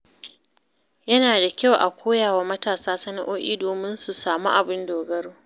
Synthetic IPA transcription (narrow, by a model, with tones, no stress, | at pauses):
jɐ˦naː˨da˨kʲa˦˨wʔa̰˨kʷʰoː˦jaː˨wa˨mɐ˦taː˨saː˦sɐ˦na˦ʔoː˦ʔʲḭː˦doː˨mɪ˦nsu˨saː˨mu˦ʔa˨bɪ˦ndoː˨ɡɐ˦ɽu˦